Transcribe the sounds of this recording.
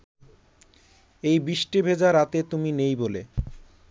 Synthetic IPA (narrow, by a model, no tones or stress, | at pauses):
ejbiʃʈibʱed͡ʑaɾat̪et̪uminejbole